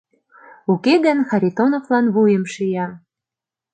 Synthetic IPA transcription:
ukeɣə̆nxɑɾʲit̪onovlɑnβujə̆mʃijɑ

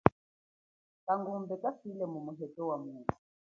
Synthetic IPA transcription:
kaŋɡumbɛkʼafilɛmumuɦɛtʼɔwamuːtu

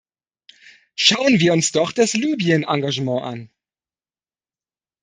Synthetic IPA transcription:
ʃaʊənviːɐʊnsd̥ɔχd̥aslyːbiənʔaŋɡaʒəmɑ̃ːʔa̰n

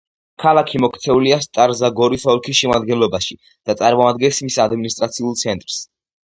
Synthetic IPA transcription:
kʰalˠakʰimɔkʰt̪sʰɛuliast̪ʼaɾzaɡɔɾisɔlˠkʰisʃɛmad̪ɡɛnlɔbaʃi | d̪̥at̪sʼaɾmɔad̪ɡɛnsmisad̪minist̪ʼɾat̪sʰiulˠt̪sʰɛnt̪ʼɾs

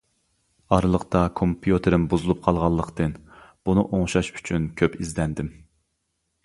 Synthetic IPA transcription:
ɑɾlˠəqt̪ɑkʰompʰjut̪ʰɨɾɪmbuzulˠup̚qʰɑlˠʁɑlˠːəqt̪ɨnb̥unɨʔoŋʃɑʃy̥t͡ʃʰynkʲʰøpizlɛnd̪ɪm

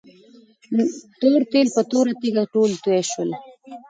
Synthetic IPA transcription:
t̪oɾt̪elpət̪oɾat̪iɡaʈolt̪uɛʃwəl

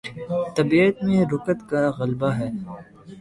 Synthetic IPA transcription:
t̪ɐbiət̪mẽɾʊkət̪kaɣɐlbaɦɛː

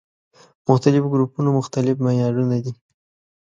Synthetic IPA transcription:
mʊxt̪alɪfɡɾupunomʊxt̪alɪfmajɑɽunad̪i

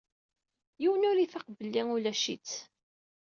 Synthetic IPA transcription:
jiwənʊɾiθaqbəlːiŋulæʃḭt͡s

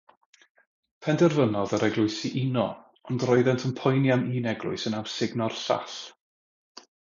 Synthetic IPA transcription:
pʰɛndɛrvənɔðəɾɛɡlˠʊɨsiʔinɔ | ɔndrɔɨðɛntʰənpʰɔjnjaniːnɛɡlˠʊ̰ɨsənawsɪɡnɔrɬa̰ɬ

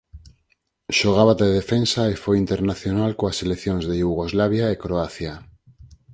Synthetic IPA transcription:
ʃoɣ̞aβat̪eðefensaefojint̪eɾnaθjonalkoaseleθjõŋzðejuɣ̞ozlaβ̞jaekɾoaθja

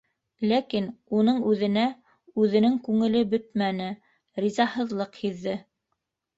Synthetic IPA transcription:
lækinunɤɴʉðɘ̆næ | ʉðɘ̆nɘŋkʉŋɘ̆lɘbɵt̪mænɘ | ɾizɑhɤ̆ðlˠɤqhiðːɘ

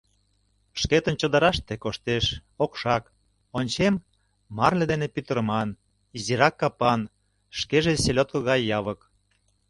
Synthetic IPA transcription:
ʃket̪ənt͡ɕə̆d̪əɾɑʃt̪ekoʃt̪eʃokʃɑk | onʲt͡ɕemː | ɑrled̪enepyt̪əɾəmɑn | iziɾɑkːɑpɑn | ʃkeʒeselʲot̪̚kəɣɑjːɑβək

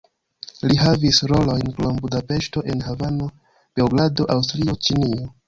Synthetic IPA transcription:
liɦavisɾo̞lo̞jnklombudape̞ʃto̞ʔenhavano̞ | b̥ewɡlado̞ʔawstliot͡ʃinio̞

